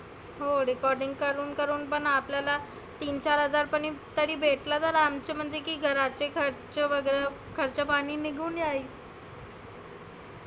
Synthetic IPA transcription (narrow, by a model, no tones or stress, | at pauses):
ɦoɾikɔɾɖiŋɡ̚kəɾuːnkəɾuːnpəɳapljala | t̪iːnt͡ɕaɾɦəd͡zaɾpəɳit̪əɾiːbʱeʈlat̪əɾamt͡ɕəm̤əɳd͡zekiːɡʱəɾat͡ɕekʰəɾt͡ɕeʋəɡəɾa | kʰəɾt͡ɕapaɽ̃iːniɡʱuːnjaɦiː